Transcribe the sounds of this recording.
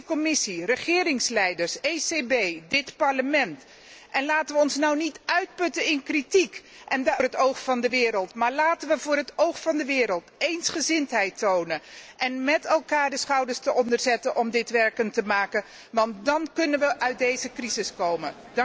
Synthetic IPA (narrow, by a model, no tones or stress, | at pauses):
kɔmɪsirəχɪːrɪŋslɛjdəɹsejsebejdɪtpɑɹləmɛnt | ʔɛnlaːtənʋəɔnsnɔwnitœɥt̚pɵtənɪnkritik | ʔɛndrɦətowχfɑndəʋɪːɾəlˠtmaːɹlaːtənʋəvʊːɾɦətowχfɑndəʋɪːɾəlˠtejnsχəzɪntɦɛjtownəʔɛnmɛtɛlˠkaːɹdəsχɑwdəstəʔɔndəɹzɛtənʔɔmdɪtʋɛɹkəntəmaːkə | ʋɑntdɑnkɵnənʋəʔœɥt̚dejzəkrizɪskowmə